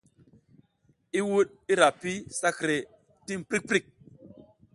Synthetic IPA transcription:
i˦wu˦ɗ̚ | i˦ɾa˨pi˦sa˦kɾe˨ | ti˦mpɾi˦k̚pɾi˦˨k̚

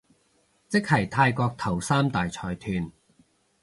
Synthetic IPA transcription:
t͡sɪ˥k̚hɐ˨˩jt̪ʰaː˧jkɔː˧k̚t̪ʰɐ˨˩wsaː˥mt̪aː˨jt͡sʰɔː˧jt̪ʰyː˧n

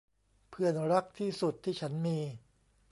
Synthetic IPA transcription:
pʰɯ˧˩ənɾa˦˥k̚t̪ʰiː˥˩su˨˩t̪ʰːiː˥˩t͡ɕʰa˦˥nmiː˧

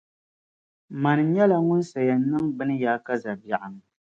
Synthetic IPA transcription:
ma˨nɨ˨ɲɛ˦la˨ŋʊ˦n˦sa˨ja˨nɨ˦ŋbɨ˦nɨ˦jaː˨˦ka˦za˨bja˨ʔa˨ŋ

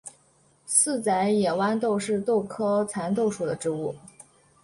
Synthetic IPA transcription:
sɹ̩˥˩t͡sa˧˥ɪjɛ˨˩wa˥nt̪̬o˥˧ʊʂɻ̩˥˧t̪o˥˩ʊkʰɤ˥t͡sʰa˧˥nt̪̬o˥˩ʊʂu˥˩d̪ə˦ʈ͡ʂɻ̩˧˥u˥˩

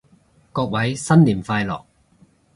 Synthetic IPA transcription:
kɔː˧k̚wɐ˨˥jsɐ˥nliː˨˩nfaː˧jlɔ̰ː˨˩k̚

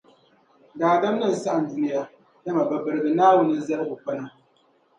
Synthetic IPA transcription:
daː˨da˦m˦nɨ˦˨n̩˨sa˦ʔa˨n̩˨du˦ni˦ja˦ | da˦ma˨ba˨bɨ˨ɾɨ˨ɡɨ˨naː˦wʊ˦nɨ˦za˦lɨ˦ʔʊ˨k͡pa˦na˦

